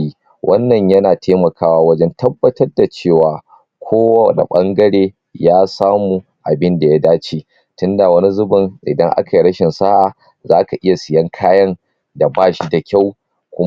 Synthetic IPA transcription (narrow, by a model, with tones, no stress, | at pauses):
i˦ | wʔɐ˦nːɐ˨ɲjɐ˦naː˨tʰeː˦mɐ˨kʰaː˦waː˦wɐ˦d͡ʒɛ˦ntʰɐ˦bːɐ˦tɐ˦rda˨t͡ʃeː˦˨waː˨ | kʷʰoː˦wa˦˨na̰˨ɓɐ˦ŋɡɐ˦ɽeː˦ | jaː˦saː˦muː˨ | ʔa̰˨bɪ˦nda˨ja˦daː˦t͡ʃi˨ | tʊ˦nda˨wɐ˦ni˦zʊ˦bʊ˨ŋʔɪ̰˨dɐ˦ŋʔa̰˦ka˨ji˨ɽɐ˦ʃɪ˨nsaː˦ʔa˨ | zaː˦ka˨ʔɪ˦ja˨sɪ˨jɐ˦ŋkʰaː˦jɐ˦n | da˨baː˦ʃi˦da˨kʲa˦˨w | kʷʊ˦